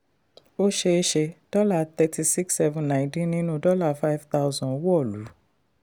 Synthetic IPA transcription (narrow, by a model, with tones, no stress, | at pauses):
o˦ʃe˧e˦ʃe˧d̥ɔ˦la˦˨t̪ɛ˧ti˧si˦ksɛ˧vũ˧nã˨ĩ˧tĩ˦nĩ˦nũ˦dɔ˦la˦˨fa˦i˦vt̪a˧u˧zɔ̃˨˦wɔ˦˨lu˨˦